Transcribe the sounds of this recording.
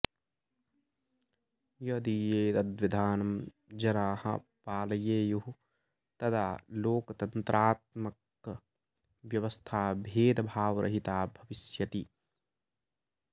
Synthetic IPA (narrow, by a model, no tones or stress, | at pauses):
jɐd̪ijeːd̪ɐd̪ʋid̪ʱaːnɐm | d͡ʒɐɾaːhɐ̰paːlɐjeːjuɦu | t̪ɐd̪aːloːkt̪ɐnt̪ɾʔaːt̪̚mɐk | ʋjɐʋɐst̪ʰaːbʱeːd̪bʱaːʋɾʔɐ̰ɦit̪aːbʱɐʋɪsjɐt̪i